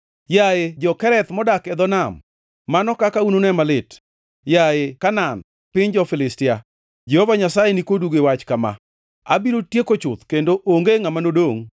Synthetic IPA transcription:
jaed͡ʒɔkɛɾɛt̪mɔdakɛd̪ɔnamː | anɔkakaunonɛmalɪt | jaekanan | pɪɲd͡ʒɔfɪlɪstɪa | d͡ʒɛhɔvaɲasajenikoduɡewat͡ʃkama̰ | abiɾotjekot͡ʃʊt̪kendoʔoŋɡeŋamanodoŋ

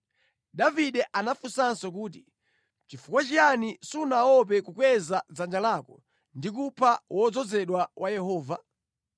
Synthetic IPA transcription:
daviɗɛʔanafusansɔk̬uːt̬i | t͡ʃifukwat͡ʃianisunaɔp̬ɛkukwɛzad͡zand͡ʒalakɔ | ndikupʰawʔɔd͡zɔzɛɗwawajɛhɔːva

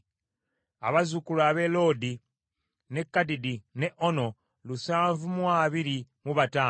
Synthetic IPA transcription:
a̰βazukulaβe̞lo̞di | ne̞kːadidine̞ʔo̞no̞ | lusaːɱvumwaːβiɾimuβataː

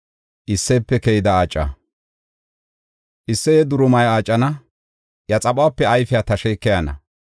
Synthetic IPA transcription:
ʔɪsːɛpːɛkɛjɪd̪ɐaːt͡ʃʼːɐ̰ | ʔɪsːɛjɛd̪ʊɾʊmɐjaːt͡ʃʼːɐnɐ | jɐt͡sʼɐɓʼaːpːɛɐjfɪjaːt̪ɐʃɛːkːɛjanɐ̰

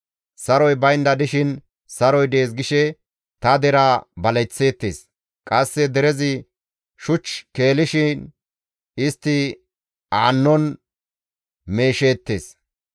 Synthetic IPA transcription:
sɐɾɔjbɐjnd̪ɐd̪ɪʃɪn | sɐɾɔjd̪eːs̬ɡɪʃɛ | t̪ɐd̪ɛɾabɐlɛt͡sːe̞ːt̪ːḛːs | kʼɐsːɛd̪ɛɾɛzɪ | ʃʊt͡ʃke̞ːlɪʃɪn | ɪst̪ːɪ | aːnːɔn | me̞ːʃeːt̪ːe̞̰ːs

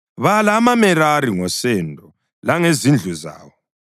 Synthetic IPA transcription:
βalamamɛɾaɾiŋɔsɛndʱɔ | laŋezind͡ɮʱuza̰ːβɔ

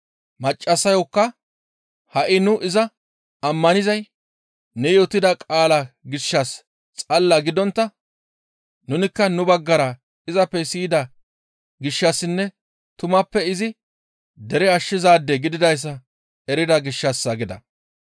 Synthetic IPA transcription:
mɐt͡ʃʼːɐsɐjɔkːɐ | hɐʔɪnʊʔɪzɐ | ɐmːɐnɪzɐj | nɛjoːt̪ːɪd̪ɐkʼaːlɐɡɪʃːɐs | t͡sʼɐlːɐɡɪd̪ɔnt̪ːɐ | nʊnɪkːɐnʊbɐɡːɐɾɐ | ɪzɐpːɛsiːd̪ɐ | ɡɪʃːɐsːɪnːɛ | t̪ʊmɐpːɛɪzɪ | d̪ɛɾɛɐʃːɪzaːd̪ːɛɡɪd̪ɪd̪ɐjs̬ːɐ | ɛɾɪd̪ɐɡɪʃːɐsːɐɡɪd̪ɐ̰

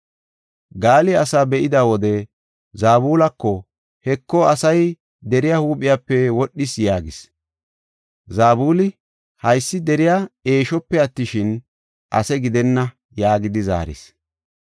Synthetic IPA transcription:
ɡaːlɪɐsaːbɛʔɪd̪awɔd̪ɛ | zaːbuːlɐkːɔ | hɛkːɔɐsɐj | d̪ɛɾɪjahuːpʼɪjaːpːɛwɔɗːɪsjaːɡɪs | zaːbuːlɪ | hɐjsːɪd̪ɛɾɪjaːe̞ːʃɔpːɛɐt̪ːɪʃɪn | ʔɐ̰sɛɡɪd̪ɛnːɐ | jaːɡɪd̪ɪza̰ːɾɪ̰s

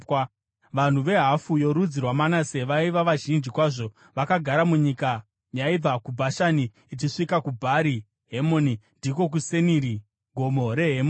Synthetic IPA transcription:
ʋan̤uʋe̞ɦafujo̞ɾud͡zirwamanase̞ʋaiʋaʋaʒind͡ʒikwaʐo̞ | ʋakaɡʱaɾamuɲika | jaib͡vakubʱaʃaniː | t͡ʃiʂikakubʱaɾi | ɦemo̞nindiko̞k̬useniɾi | ɡʱo̞mo̞ɾe̞ɦemo

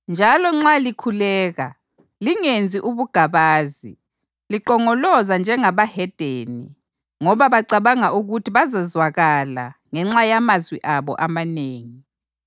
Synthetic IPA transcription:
nd͡ʒʱalɔŋ͡ǁalikʰulɛːɣa | liŋend͡zʱiʔuβuɡ̥ʱaβaːzḭ | liǃɔŋɔlɔzand͡ʒʱɛŋaβahɛd̥ʱeːnḭ | ŋɔβaβaǀaβaŋaʔuɣutʰiβazazwaɣala̰ŋɛŋ͡ǁajamazwḭʔaβɔ̰ʔamaneːŋi

